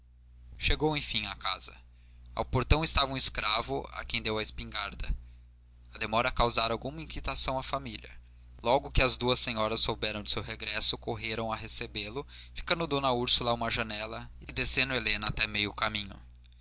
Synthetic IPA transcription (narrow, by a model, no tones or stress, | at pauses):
ʃeɡowẽj̃fĩŋaka̰zɐ | a̰wpoɾt̪ɐ̃w̃ɪst̪avɐũɪskɾavʊa̰kẽj̃d̪ewɐɪspĩŋɡaɾd̪ɐ̰ | ɐd̪emɔɾɐkawzaɾawɡũmɐĩkit̪asɐ̃w̃ɐfamilʲɐ̰ | lɔɡʊkɪɐzd̪uɐsẽɲɔɾɐsːowbɛɾɐ̃w̃d͡ʒɪ̥sewɦeɡɾɛsʊkoɦeɾɐ̃w̃ɐɦesebelʊfi̥kɐ̃nd̪ʊd̪õnɐuɾsulɐũmɐʒɐnɛlɐɪɪd̪esẽnd̪ʊelẽnɐat̪ɛmejʊkamĩɲʊ̰